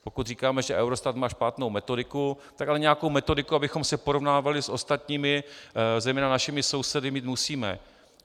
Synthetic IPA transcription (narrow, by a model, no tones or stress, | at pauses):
po̞kut̪r̝iːkaːmɛʒɛʔɛwɾo̞st̪at̪maːʃpaːt̪no̞wmɛt̪o̞dɪku | t̪akalɛɲɛjako̞wmɛt̪o̞dɪkuabɪxo̞msɛpo̞ɾo̞vnaːvalɪsʔo̞st̪at̪ɲiːmɪzɛjmɛːnanaʃɪmɪso̞wsɛdɪmiːt̪musiːmɛ̰